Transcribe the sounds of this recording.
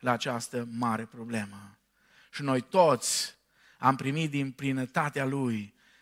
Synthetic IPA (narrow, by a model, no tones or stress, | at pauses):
laːt͡ʃast̪əmaɾe̞pɾo̞ble̞mə | ʃinojt̪o̞t̪sʲ | ampɾimit̪̚d̪inplinət̪at̪ealuj